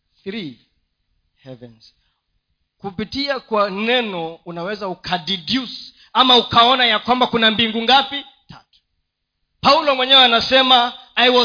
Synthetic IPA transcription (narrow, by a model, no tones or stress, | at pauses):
θɾi | hɛvɛnz̥ | kupitiakwanɛnɔunawɛzaukʰadidjusi̥ | amaukaɔnajakwambakunambiŋɡuŋɡapi | tʰa̰tu̥ | paulɔmwɛɲɛwɛanasɛma | ajwɔ